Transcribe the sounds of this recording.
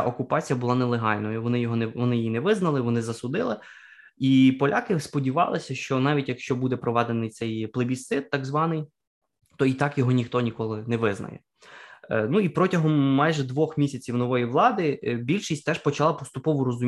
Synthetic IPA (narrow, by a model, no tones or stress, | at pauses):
ʔɔkʊpɑt͡sʲijɐbʊlˠɑnɛlˠeɦɑlʲnɔjʊʋɔnɪjɔɦɔɛʋɔnɪjinɛʋɪznɐlˠɪʋɔnɪzɐsʊd̪ɪlˠɪ | ipɔlʲʔɑkɪspɔdʲiʋɑ̰lˠɪsʲɐʃt͡ʃɔnɑʋʲitʲjɐkʃt͡ʃɔbud̪ɛpɾɔʋɛd̪enɪjt̪sɛjplˠebʲisɪt̪ːɑɡzʋɑnɪj | t̪ɔit̪ɑkjɔɦɔnʲixt̪ɔnʲikɔlˠɪnɛʋɪznɐ̰jɛ̰ | nuipɾɔtʲɐɦɔmːɑjʒɛd̪ʋɔxmʲisʲɐt͡sʲiwnɔʋɔjiʋlˠɑd̪ɪbʲilʲʃisʲtʲt̪ɛʃpɔt͡ʃɐlˠɑpɔst̪ʊpɔʋʊɾɔzʊm